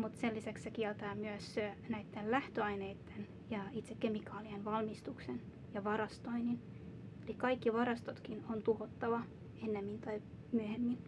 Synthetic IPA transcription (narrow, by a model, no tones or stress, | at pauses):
mut̪selːisækssekiɛlt̪ɑːmyøsnæit̪ːellæht̪øɑineit̪ːen | jɑit̪sekkemikɑːlienʋɑlmist̪uksen | jɑʋɑɾɑst̪oinin | elikkɑikːiʋɑɾɑst̪ot̪kinont̪uhot̪ːɑʋɑ | enːemːint̪ɑi | myøhemːin